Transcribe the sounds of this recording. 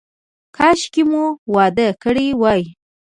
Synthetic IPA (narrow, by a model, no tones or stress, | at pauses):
kʰɑʃkimuwɑd̪əkəɽiwɑj